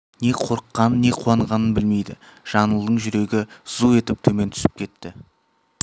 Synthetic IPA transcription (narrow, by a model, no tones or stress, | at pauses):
ne̞qʰo̞ɾəqːɑnənːe̞qʰuɑɴʁɑnənbɪlme̞jd̪ɪ̰ | ʒ̥ɑnəlˠd̪əɴʒʏɾe̞ɡʲɪz̥ue̞t̪ɪp̚t̪ʰɵme̞nt̪ʰʏ̥sɪ̥p̚kʲʰe̞t̪ːɪ